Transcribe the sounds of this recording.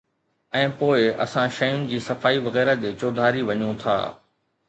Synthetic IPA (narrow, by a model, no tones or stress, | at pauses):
ɛ̃ːpoːɪɐ̰sãʃɐjʊnɪ̆d͡ʑiːsɐfaːiʋɐɣɛːɾəd͡ʑeːt͡ɕoːd̪ʱaːɾiʋɐɲũt̪ʰa̰ː